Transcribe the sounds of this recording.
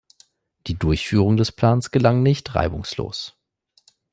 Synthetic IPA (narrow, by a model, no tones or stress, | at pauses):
d̥iːdʊɐçfyːʁ̞ʊŋdɛspl̥aːnsɡ̥əlaŋnɪçtʁa̰ɪbʊŋslo̰ːs